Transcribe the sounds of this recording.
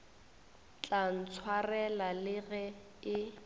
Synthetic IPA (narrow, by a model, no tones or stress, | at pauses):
t͡ɬʼan̩t͡sʰwarɛlalɪɣɛ | ɪ